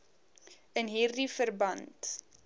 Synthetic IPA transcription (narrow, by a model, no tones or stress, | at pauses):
ənɦiːrdifərbɐnt